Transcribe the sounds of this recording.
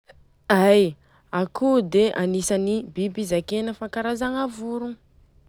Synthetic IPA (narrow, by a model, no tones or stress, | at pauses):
aj | akud̪eʔanisanibibizakenəfaŋkaɾazaŋavuɾu